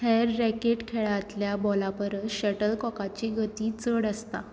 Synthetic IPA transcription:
hɛɾːɛkeʈkʰeɭaːt̪ljabɔlapəɾɕəʈəlkɔkat͡ɕiːɡət̪iːt͡səɽəst̪a̰

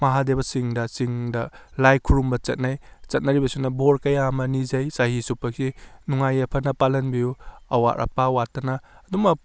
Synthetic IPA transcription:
mɐɦadebɐsiŋdɐsiŋdɐlajkʰuɾumbɐt͡ʃɐt̚najt͡ʃɐt̚nɐɾibɐsunɐboɾkɐjamɐnizɐjsahisupːɐk̚sinuŋajɐpʰɐnɐpalɐnbijuɐwa̰ɾʔɐ̰pawatːɐnɐːdumɐp̚

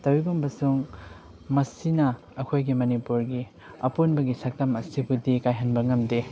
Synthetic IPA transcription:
tɐwibombɐsuŋ | mɐsinɐ | ɐkʰojɡimɐnipuɾɡi | ɐpunbɐɡisɐk̚tɐmɐsibudikajɦɐnbɐŋɐmde

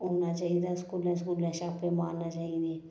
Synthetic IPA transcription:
oːnat͡ʃaːid̪askuːlẽs̬kuːlẽʃaːpemaːɾnat͡ʃaːid̪e

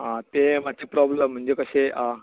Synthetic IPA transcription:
ɦãt̪emat͡ɕʰipɾɔbləm̤əɳd͡ʑekəɕeʔa

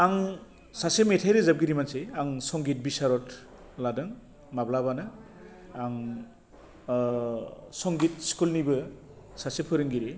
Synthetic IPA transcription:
aŋ | sasemetʰajɾezap̚ɡiɾimanseaŋsɔŋɡit̚bisaɾɔt | ladɯŋ | mablabanɯ | aŋ | sɔŋɡit̚skulnibɯ | sasepʰɯɾɯŋɡiɾi

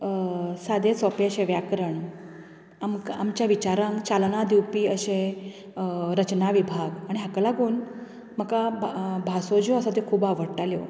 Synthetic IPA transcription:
sad̪ʱet͡sɔpeəɕeʋjakɾəɳ | amamt͡ɕjaʋit͡ɕaɾãŋkt͡ɕalnad̪iwpiːəɕẽ | ɾət͡ɕnaʋibʱaɡaɽ̃iɦakalaɡuːn | məkabʱasod͡ʑoəsat̪ekʰuːbaʋəɽʈaljo̰

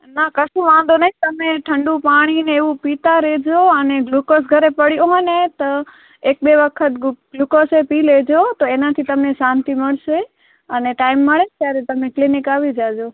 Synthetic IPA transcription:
nakɐsũʋãːnd̪onɐɦĩt̪ɐmẽʈʰɐ̃ɳɖũpaːɽ̃ineeupiːt̪aɾeːd͡ʑoɐneɡluːkos̬ɡʱɐɾepɐɽioɦənet̪ɐ | eːk̚ɓeʋɐkʰət̪ɡlukosepileːd͡ʑot̪oeːnat̪ʰit̪ɐmnẽsãːnt̪imɐɽse | ɐneʈaːɪmːɐɽet̪jaːɾet̪ɐmẽklɪnɪkaːʋid͡ʒaːd͡ʒoː

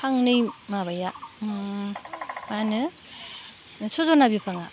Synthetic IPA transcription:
pʰaŋnɯjmaβaja | manɯ | sozɔnabjipʰaŋa

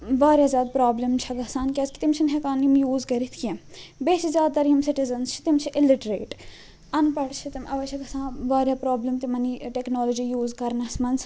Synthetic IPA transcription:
ʋaːɾʲjaːzʲjaːd̪pɾaːblemt͡ʃʰɐɡɐsãːnkʲɐskit̪imt͡ʃʰinɦekaːnimjuːzkɐɾit̪ʰkẽmbeːt͡ʃʰizʲjaːd̪̚t̪ɐɾiimsɪʈizɐnst͡ʃʰi̥t̪imt͡ʃʰiʔɪlɪʈɾeːʈ | ɐnpɐɽt͡ʃʰit̪imʔɐʋɐt͡ʃʰɐɡɐsãːʋaːɾʲjaːpɾaːblemt̪imɐniʈeknoːlod͡ʒijuːzkɐɾnɐsmɐns

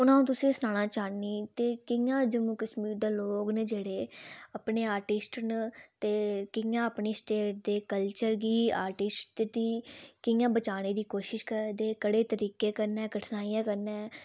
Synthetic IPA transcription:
ʊnãːũːt̪ʊsĩːsənaːɽ̃aːt͡ʃaːniːt̪eːkɪjãːd͡ʒəmuːkəsmiːɾd̪eːloːɡneːd͡ʒeːɽeːəpneːaːɾʈɪsʈnt̪eːkɪjãːəpniːsʈeːʈ̚d̪eːkəlt͡ʃəɾɡiːa̰ːɾʈɪsʈd̪iːkɪjãːbət͡ʃaːneːd̪iːkoːʃɪʃkəɾd̪eːkəɽeːt̪əɾiːkeːkəɾnɛːɡəʈʰnaːijãːkəɾnɛː

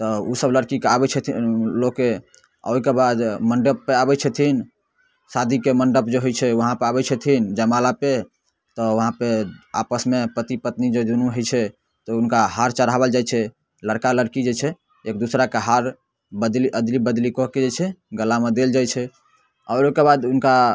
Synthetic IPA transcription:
t̪ɔusəbləɾkikeabɛt͡ʃʰɛloke | a̰kebad̪məɳɖəpːeabɛt͡ʃʰɛt̪ʰin | sad̪ʱikeməɳɖəpd͡ʒeɦojt͡ʃʰɛəɦãpeabɛt͡ʃʰɛt̪ʰind͡ʒəmalape | t̪ɔʋəɦãpea̰pəsmepət̪ipət̪nid͡ʒed̪unuɦojt͡ʃʰɛ | t̪ɔunkaɦaɾt͡ʃəɾɦaβəld͡ʒajt͡ʃʰɛ | ləɾkaləɾkid͡ʒet͡ʃʰɛ | ek̚d̪usɾakeɦaɾ | bəd̪liʔəd̪libəd̪likɔɦked͡ʒet͡ʃʰɛɡəlamed̪eld͡ʒajt͡ʃʰɛ | aʊɾokebad̪unka

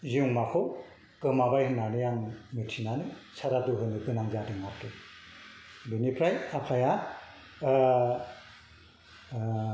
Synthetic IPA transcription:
ziuŋmakʰɯw | kɯmabajɯnanɯjaŋmɯtʰinanɯ | sʰaɾaduɦɯnɯbɯnaŋzadɯŋakʰɯ | binipʰɾajapʰaja

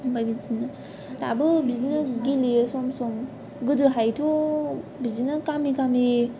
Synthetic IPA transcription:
bajbizinɯ | da̰bɯbizinɯɡilisɔmsɔm | ɡɯdɯɦajtʰo | bizinɯkamikami

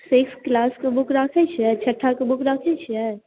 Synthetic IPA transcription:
sɪksklaːskobʊkʰɾaːkʰet͡ʃʰɛːt͡ʃʰɐʈʰːakobʊkʰɾaːkʰet͡ʃʰɛː

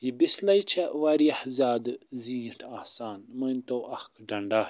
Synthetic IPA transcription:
jibislɐjt͡ʃʰɐwaɾiɐhzaːd̪ɨzĩːʈʰaːhsaːnmɐjnt̪oːʔɐxkɖɐɳɖaː

